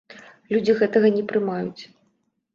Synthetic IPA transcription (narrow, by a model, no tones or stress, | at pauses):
lʲud͡zʲiɣɛt̪ɐɣɐnʲɛpɾɨmajut͡sʲ